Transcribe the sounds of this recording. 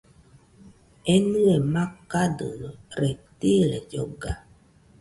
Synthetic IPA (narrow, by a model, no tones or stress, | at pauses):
ɛnuemakadəɾɛtilɛ̰d͡ʒoɡa